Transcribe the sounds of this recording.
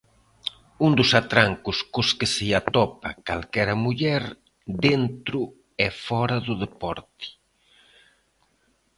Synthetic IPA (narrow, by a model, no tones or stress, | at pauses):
und̪ʊsat̪ɾaŋkʊskʊskɪsɪat̪ɔpɐka̰lkɛɾɐmuʎɛɾ | dent̪ɾʊ | ɛfɔɾɐðʊðepɔɾt̪ɪ̥